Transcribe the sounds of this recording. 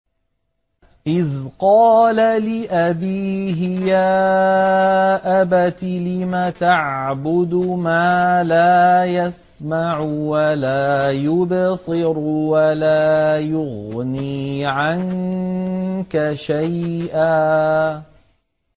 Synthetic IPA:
ʔɪðqɑːlalɪʔabiːɦɪjaː | ʔabat̪lɪmat̪aʕbʊd̪maːlaːjas | maʕʊwalaːjʊbsˤɨɾwalaːjʊɣniːʕan | kaʃajʔaː

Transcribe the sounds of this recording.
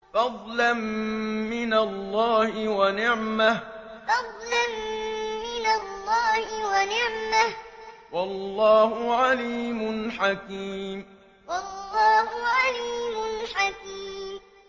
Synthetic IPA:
fɑd̪ˤlamː | ɪnalːɑːhɪwanɪʕmah | fɑd̪ˤlanː | ɪnalːɑːhɪwanɪʕmah | wɑlːɑːhʊʕaliːmʊnħakiːm | wɑlːɑːhʊʕaliːmʊnħakiːm

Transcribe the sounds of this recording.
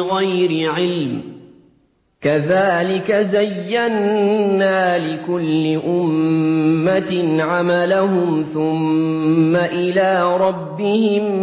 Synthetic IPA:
ɣajɾɪʕɪlm | kaðaːlɪkazajːanːaːlɪkʊlːɪʔʊmː | at̪ɪnʕamalaɦʊmθʊmː | aʔɪlaːɾˤɑbːɪhɪm

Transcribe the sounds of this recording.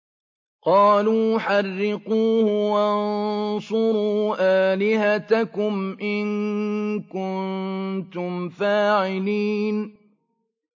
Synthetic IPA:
qɑːluːħɑrːɪquːhʊwannsˤʊɾuːʔaːlɪhat̪akʊmʔɪn | kʊnnnt̪ʊmfaːʕɪliːn

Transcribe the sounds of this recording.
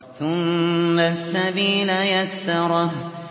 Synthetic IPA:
θʊmːasːabiːlajasːɑɾˤɑh

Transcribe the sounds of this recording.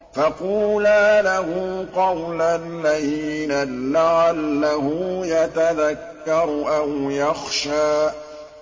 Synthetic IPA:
fɑquːlaːlahʊqɑwlalaðiːnalaʕalːahʊjat̪aðakːɑɾˤʔawjɑxʃaː

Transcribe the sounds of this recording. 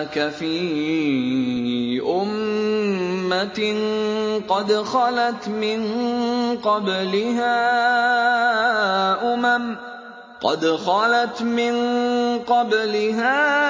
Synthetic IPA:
kafiː | ʔʊmː | a | qɑd̪xɑlat̪mɪn | qɑblɪɦaː | ʔʊmam | qɑ̰d̪xɑlat̪mɪnqɑblɪɦaː

